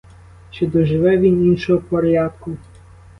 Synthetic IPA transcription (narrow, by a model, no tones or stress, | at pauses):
t͡ʃɪd̪ɔʒɪʋɛʋʲininʃɔɦɔpɔɾʲjɑd̪̚kʊ